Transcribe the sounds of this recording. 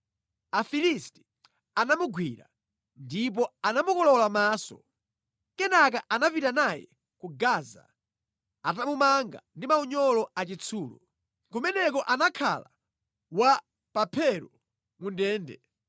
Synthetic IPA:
afilisti̥ | anamuɡwiɾa̰ | ndip̬ɔanamukɔlɔlamaːsɔ̰ | kɛnak̬aʔanapitanajɛ̰ | kuɡaza̰ | atamumaŋɡa̰ndimauɲɔlɔat͡ʃit͡sʰuːlṵ | kumɛnɛkɔʔanakʰa̰la | wa | papʰɛɾɔ | mundɛːndɛ

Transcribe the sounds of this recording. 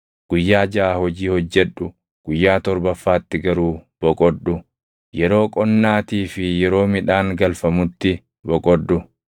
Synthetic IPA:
ɡ̥ʊjːaːd͡ʒɐaːhɔd͡ʒiːhɔd͡ʒːɛᶑːʊ | ɡ̥ʊjːaːt̪ɔɾbɐfːaːt̪ːɪɡɐɾuːb̥ɔkʼɔɗʊ | jɛɾo̞ːkʼɔnːaːt̪iːfɪjɛɾo̞ːmɪᶑaːŋɡɐlfɐmʊt̪ːɪ | bɔkʼɔᶑːʊ

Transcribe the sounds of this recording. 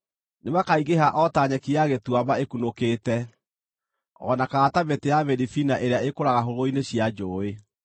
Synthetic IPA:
nemakaiɣeɦaʔɔtaɲɛkiaɣetwabaekunokeːtɛ | ɔ̰nakaɣːtaβetejaβɛɾifinaʔeɾeaekoɾaɣaɦoɾoineɕjad͡ʒoːe

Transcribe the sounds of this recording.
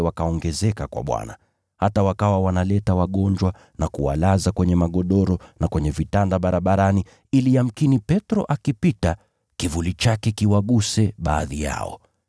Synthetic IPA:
wakaɔŋɡɛzɛkakwa̰ɓwa̰na̰ | hatawakawawanalɛtawaɠɔɲd͡ʒwa | nakuwa̰lazakwɛɲɛmaɠɔɗɔɾɔnakwɛɲɛvitandaɓaɾaɓaɾani | ilijam̩kinipɛtɾɔ̰ʔakipita | kivulit͡ʃakɛkiwaɠusɛɓaːðija̰ɔ̰

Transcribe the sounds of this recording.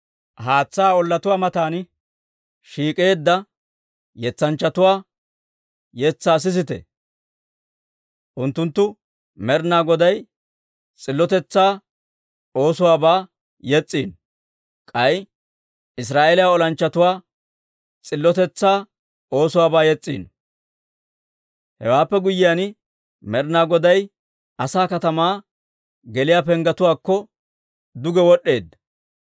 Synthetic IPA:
haːt͡sːaːɔlːɐt̪ʊwaːmɐt̪aːn | ʃiːkʼeːd̪ːɐ | jɛt͡sːɐnt͡ʃːɐt̪ʊwaː | jɛt͡sːaːs̬ɪs̬ɪt̪ɛ̰ | ʔʊnt̪ːʊnt̪ːʊ | mɛɾnaːɡɔd̪ɐj | t͡sʼɪlːɔt̪ɛt͡sːaː | o̞ːsʊwaːbaː | jɛt͡sʼːiːn | kʼɐj | ʔɪs̬ɾaːʔelɪjaɔlɐnt͡ʃːɐt̪ʊwaː | t͡sʼɪlːɔt̪ɛt͡sːaː | o̞ːsʊwaːbaːjɛt͡sʼːḭːn | hɛ̰waːpːɛɡʊjːɪjan | mɛɾnaːɡɔd̪ɐj | ʔɐsaːkɐt̪ɐmaː | ɡɛlɪjaːpɛŋɡɐt̪ʊwaːkːɔ | d̪ʊɡɛwɔɗe̞ːd̪

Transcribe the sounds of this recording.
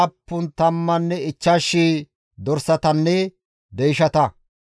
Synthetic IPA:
ɐpːʊnt̪ɐmːɐnːɛɪt͡ʃːɐʃːiː | d̪ɔɾsɐt̪ɐnːɛ | d̪ɛjɪʃɐt̪ɐ

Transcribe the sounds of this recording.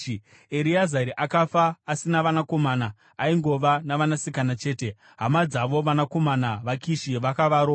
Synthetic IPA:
eɾiazaɾiʔakafaːsinaʋanako̞maːnaː | iŋɡo̞ʋanaʋanasikanat͡ʃe̞ːte̞ | ɦamad͡zaʋo̞ʋanako̞manaʋakiʃiʋakaʋaːɾo

